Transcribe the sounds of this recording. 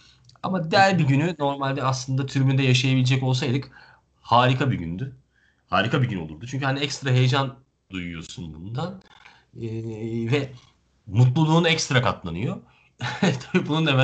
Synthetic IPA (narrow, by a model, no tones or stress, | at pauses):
a̰mad̪æɾʲbiɟynyno̞ɾmalʲd̪ɛaslˠɯnd̪at̪ʰyɾmynd̪ɛjaʃ̬ajabilʲɛd͡ʒɛco̞lˠs̬ajd̪ɯk | haːɾikʰabiɟy̰nd̪y | haːɾikʰabiɟyno̞lˠuɾd̪ut͡ʃʰyɲcyhaniɛkst̪ɾaɦe̞jed͡ʒan | d̪ujujo̞̰sunbund̪an | ɯːvɛ | mut̪lˠulˠuːnɛcst̪ɾakat̪lˠanɯjo | t̪ʰabibununemɛ